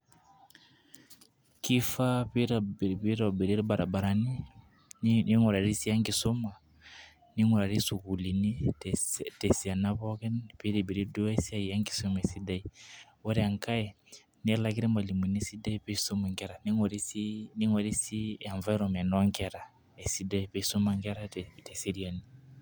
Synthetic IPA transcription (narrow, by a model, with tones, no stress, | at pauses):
ki˦fa˦pi˦ɾa˨bpi˦ɾɔ˨bi˨ɾi˦ɾi˦ba˨ɾa˨ba˨ɾa˨ni˦ | n˦ni˦ŋɔ˨ɾa˨ɾi˦si˦a˦ŋɡi˨sɔ˦ma˨ | ni˦ŋwɔ˨ɾa˨ɾi˦su˨ku˨li˨ni˦ | tɛ˨si˨a˨na˦βɔ˦kɛ˦npi˦ɾi˨bi˨ɾi˦du˦a˦si˦a˦i˨ja˦ŋɡi̥˨sɔ˦mɛ˨si˦da˦i˨wɔ˦ɾɛ˦a˨ŋka˦ɛ˨ | ni˦ɛ˦la˦ki˦ɾɛ˦ma˨li˨mwi˨ni˦si˦da˦i˦pɛ˦i˨sɔ˦ma˨ŋɡɛ˦ɾa˨ni˦ŋɔ˨ɾi˦si˦ni˦ŋwɛ˨ɾi˦si˦a˨ɱva˦i˦ɾɔ˨mɛ˨nɔ˦ŋɡɛ˦ɾa˨ | ɛ˨si˦da˦i˨pɛ˦i˦sɔ˦ma˦ŋɡɛ˦ɾa˦tɛ˨si˦ɾi˦a˨ni˨